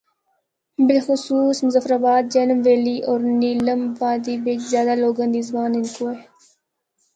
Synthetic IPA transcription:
bɪlxʊsuːsmʊzafɾaːbaːd̪̚d͡ʒɐnəmʋeːliːʔɔːɾniːləmʋaːd̪iːbɪt͡ʃzjaːd̪aːloːɡãːnd̪iːzbaːnɪnkoːɦeː

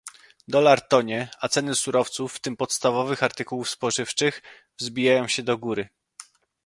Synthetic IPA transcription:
d̪ɔlaɾt̪ɔɲɛat̪sɛnɘsuɾɔft̪sufːt̪ɘmpɔt̪st̪avɔvɘxaɾt̪ɘkuwufspɔʐɘft͡ʂɘx | vzbʲijajɔ̃w̃ɕɛd̪ɔɡuɾɘ

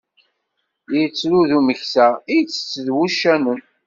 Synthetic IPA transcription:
jit͡sːɾuðuməçsæit͡sːə̥t͡sːəðwuʃːænəm

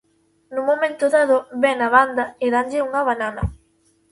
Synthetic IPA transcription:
numomẽnt̪ʊðaðoβɛnaβand̪aɪðaɲd͡ʒɪuŋaβananɐ

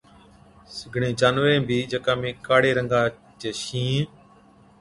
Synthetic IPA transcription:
sɪɡʱɳẽːd͡ʒaːnʋẽːbʱiːd͡ʒəkãːmẽːkaːɽeːɾəŋɡaː | t͡ʃeːʃĩː

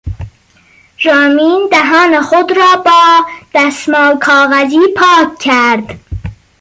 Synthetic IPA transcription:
ɾɒːmiːnd̪æɦɒːnexod̪ɾɒːbɒːd̪̥æsmɒːlkʰɒːɣæziːpʰɒːkcʰːæɾd̪̥

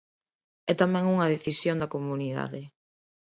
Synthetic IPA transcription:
ɛt̪amɛ̃ŋuŋɐðeθisjond̪ɐkomuniða̰ðe

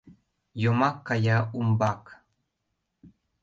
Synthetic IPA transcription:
jomakːajaumbɑk

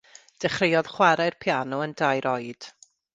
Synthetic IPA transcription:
d̥ɛχrejɔð̥χwaɾajrpʰjanɔəndajɾɔjd̥

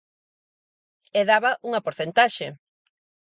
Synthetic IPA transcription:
eðaβɐʔuŋɐpoɾθent̪aʃe

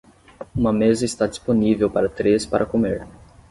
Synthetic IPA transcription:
ũmɐmezɐɪst̪ad͡ʒisponivewpaɾɐt̪ɾespaɾʔɐkomeɾ

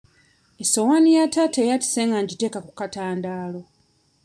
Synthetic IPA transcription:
esowanijatatejati̥seŋɡaɲɟitekakukataːndaːlo̞

